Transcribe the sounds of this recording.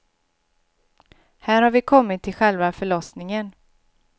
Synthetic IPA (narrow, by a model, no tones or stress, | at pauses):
hæːɾhaɾvɪkʰɔmːɪt̪ʰːɪlɧɛlvafœɭɔsnɪŋən